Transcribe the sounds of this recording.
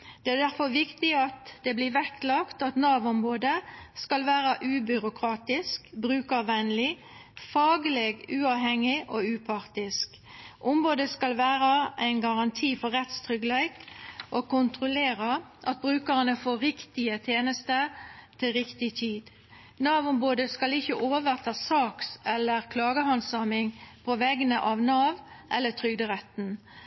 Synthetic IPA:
d̪̥ɛæʁd̪æʁfɔʋɪkt̪ɪɑt̪d̪ɛblɪʋɛkːlɑkt̪ɑt̪nɑːʋɔmʁoːd̪əskɑlʋæːʁəʔʉːbʏɾʊkʰʁɑːt̪ɪskbɾʉːkəʋænlɪ | fɑːɡəleːɡʉːɑːʋɦɛŋːɪʔoːʉːpʰɑʁt̪ɪsk | ʔʊmʁoːd̪əskɑlʋæːɾɑʔæɪnɡɑʁɑnt̪ʰiːfɔʁɛt̪st̪ʰʁʏɡlæɪkʔokʊnt̪ʁʊleːʁəʔɑt̪̚bʁʉːkəʁənəfoːɾɪkt̪ɪət̪ʰeːnəst̪ət̪ʰɪlʁɪkt̪ɪt̪ʰyːd̪ | nɑːʋʊmboːd̪əskɑlɪçəʔoːʋəʁt̪ʰɑːsɑːksɛlːəʁkʰlɑːɡəhɑnsɑmɪŋpʰɔʋɛɡənəʔɑʋnɑːʋʔɛlːət̪ʰʁʏɡd̪əʁɛt̪n̩

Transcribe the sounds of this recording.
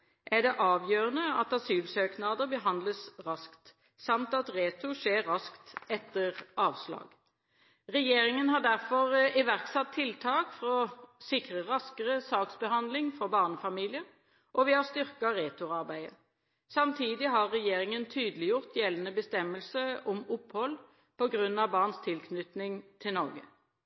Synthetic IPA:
ʔæd̪ɛʔɑːʋjøːʁənəɑt̪ɑsyːʋsøːknɑd̪əbəɦɑnd̪ləsʁɑskt̪ | sɑmt̪ɑt̪ʁeːt̪ʊʂeːʁːɑskt̪ɛt̪ːəʁʔɑːʋslɑ̰ːɡ | ʁɛjeːʁɪŋənhɑʁd̪æʁfɔʁɪʋæʁksɑt̪ʰːɪlt̪ʰɑːkfʁɔsɪkʁəʁɑskəʁəsɑːksbəhɑnd̪lɪŋfɔbɑːʁnəfɑmiːlɪəʁ | ʔɔʋɪhɑst̪ʏʁkɑʁeːt̪ʊɑʁbæɪə̰ | sɑmt̪ʰiːd̪ɪɦɑʁʁɛjeːʁɪŋənt̪ʰyːd̪əlɪjʊʁt̪jɛlːənəbəst̪ɛmːəlsəɔmʊphɔl | pʰɔɡʁʉnːɑʋbɑːʁnst̪ʰɪlkʰnʏt̪nɪŋt̪ʰɪlnɔʁɡə̰

